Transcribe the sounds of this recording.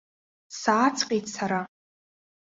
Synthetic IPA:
saːt͡sʰʼqʲʼejtʰʼsaɾa

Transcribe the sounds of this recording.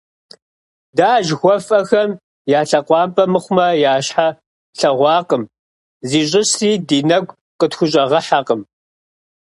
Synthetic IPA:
daːʒxʷɔfʼɐxɐm | jaːɬɐqʷɑːmpʼɐmɨχʷʊmɐjaːɕħa | ɬɐʁʷɑːqəm | ziːɕ̬ʼɪɕiːdiːnɐɡʷ | qətxʷʊɕʼɐʁɐħaqəm

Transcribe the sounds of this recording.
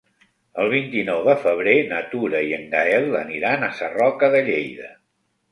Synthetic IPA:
əlˠβ̞int̪inɔwðəfəβ̞ɾenət̪uɾəiəŋɡaɛlˠə̰niɾanəsərɔkəðəʎejðə

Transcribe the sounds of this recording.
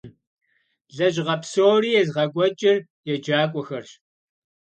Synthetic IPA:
ɮɐʑʁɐpsoːriːjɛzʁɐɡʷɔt͡ʃʼɪr | jɛd͡ʒaːkʷʼɔxɐrɕ

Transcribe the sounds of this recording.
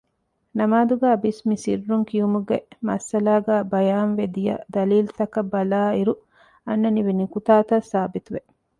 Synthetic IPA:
nɐmaːd̪uɡæːbismisḭrːuŋkijumuɡemɐsɐlaːɡæːbɐjaːnʋed̪ijɐ̰d̪ɐliːlt̪ɐkɐbɐlaːiɾu | ɐnːɐniʋenikut̪aːt̪ɐsaːbit̪uʋe

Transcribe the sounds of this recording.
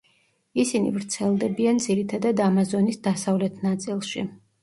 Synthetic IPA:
isinḭvɾt̪sʰɛlˠd̪ɛbiand̪ziɾit̪ʰad̪ad̪amazɔnisd̪asavlɛt̪ʰnat̪sʼilˠʃḭ

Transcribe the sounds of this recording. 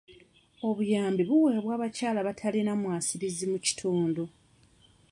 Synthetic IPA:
o̞βujaːmbiβuweːβwaːβacaːlaβatʰalinamwaːsiβizimuci̥tʰuːndo

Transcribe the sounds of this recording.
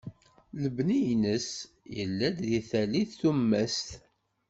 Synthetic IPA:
ləbnijnəs | jə̰lːæd̪ðiθæliθθumːæst̪

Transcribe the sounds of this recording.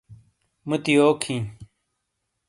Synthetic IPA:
mət̪ijoːkʰĩː

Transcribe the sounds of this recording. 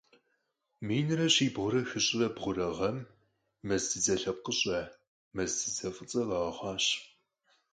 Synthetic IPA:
miːnɨrɐɕiːbʁʷʊɾɐxɨɕʼɪrɐbʁʷʊɾɐʁɐmː | ɐzdɨd͡zɐɬɐp̚qəɕʼɐ | mɐzdɨzɐfʷʼət͡sʼɐlɐʁɐχʷɑːɕ

